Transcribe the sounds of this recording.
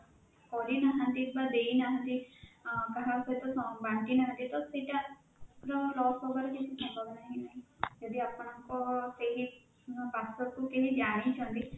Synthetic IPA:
kɔɾinaɦənd̪ibad̪einaɦə̃nd̪i | kaɦãset̪ɔsɔbaɳʈinaɦə̃nd̪it̪ɔsiʈa | ɾɔlɔːsɔbəɾɔkɪt͡ʃʰisɔ̃mbʱəbnaɦĩnaɦĩd͡ʒɔd̪iapɽ̃ãkɔseɦi | basɔkukeɦid͡ʒaːɽĩt͡ʃʰə̃nd̪i

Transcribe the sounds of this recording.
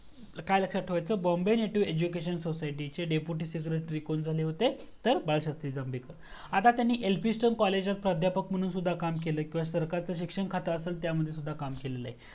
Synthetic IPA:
kajləkʂaʈʰəʋajt͡səbɔmbejneʈiʋed͡ʑukeɕənsosajʈit͡seɖepuʈiːsikɾeʈɾikond͡zʱaleɦot̪e | t̪əɾbaɭɕəst̪id͡zambʱikəɾat̪at̪janːiːʔelpisʈənkɔled͡ʑlak̪̚pɾad̪ʱjapək̚m̤əɽ̃ũːnsud̪ʱːakamkeləːkĩʋasəɾkaɾt͡səːɕ̬ikʂəɳkʰat̪əəselt̪jaməd̪ʱjesud̪ʱːakamkeleləa̰ɦi

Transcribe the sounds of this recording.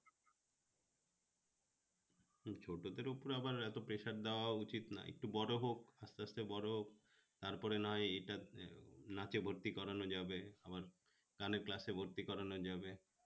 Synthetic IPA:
t͡ɕʰoʈod̪eɾupoɾabaɾɛt̪opɾeʃaɾd̪eoaut͡ɕit̪na̰ḛk̚ʈubɔɾoɦokast̪east̪ebɔɾoɦok | t̪aɾpɔɾenaɦɔjejʈa | nat͡ɕebʱoɾt̪ikɔɾanod͡ʑabeabaɾ | ɡ̥aneɾklasebʱoɾt̪ikɔɾanod͡ʑabe

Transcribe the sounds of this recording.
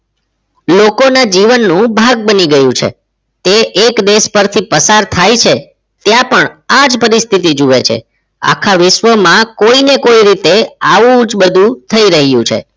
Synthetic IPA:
lokonad͡ʒiʋənːũbʱaɡ̚bəniɡəjũt͡ʃʰḛ | t̪eʔekd̪eʃpəɾt̪ʰipəsaɾt̪ʰajt͡ʃʰe | t̪jãpəɳad͡ʒpəɾist̪ʰit̪̬id͡ʒuʋet͡ʃʰḛ | a̰kʰaʋɪʃʋəmãkoinekoiɾit̪eaʋũd͡ʒbəd̪ʱũt̪ʰəiɾəɦjṵ̃t͡ʃʰḛ

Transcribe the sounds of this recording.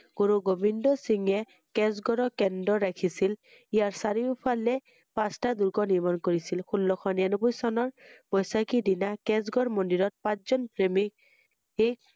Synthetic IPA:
ɡ̥oɹuɡobindɔsiŋɛ | kɛs̬ɡɔɹɔkɛndɔɹakʰisil | ijaɹsaɹiupʰalɛ | pãstaduɹkɔniɹmɔnkoɹisilxulːɔxʰɔnɛnɔbʊjsɔnɔɹbɔjsakidinakɛs̬ɡɔɹmɔndiɹɔt̚pãszɔnpɹemik | hek̚

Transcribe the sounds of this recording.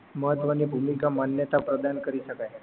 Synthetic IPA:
məɦət̪ʋənibʱumikamanjət̪apɾəd̪ankəɾiʃəkaj

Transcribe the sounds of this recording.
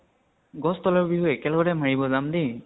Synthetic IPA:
ɡɔstɔlɔɹbiɦoɛkɛlɔɡɔtɛmaɹibɔzamdi

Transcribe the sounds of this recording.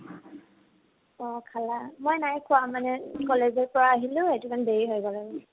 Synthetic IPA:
ɔkʰalamojnajkʰʊamanɛkɔlezɔɹpɔɹaːɦilʊ̃etumanbeɹiɦɔjɡɔlaɡɛ

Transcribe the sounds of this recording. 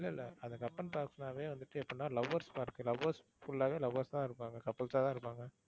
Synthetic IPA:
ɪlːɐɪlːɐ̰ɐnd̪ɐkɐpːɐnpaːɾksnaːʋeːʋɐnd̪ɯʈːɯɛpːɐnːaːlɐʋːɐɾspaːɪɾɯkːɯlɐʋɐɾs | fʊlːaːʋeːlɐʋɐɾst̪ãːɪɾɯpːaːŋɡɐkɐpːɐlsaːt̪ãːɪɾɯpːaːŋɡɐ

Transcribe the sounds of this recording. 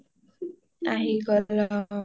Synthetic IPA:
aɦiɡɔlɔ

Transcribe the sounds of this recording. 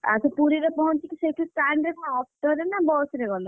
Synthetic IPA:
a̰sɔpuɾiɾepɔɦɔt͡ʃikiseʈusʈaɳɖeɖnaɔp̚ʰʈɔɾenabɔsɾeɡɔlɔ

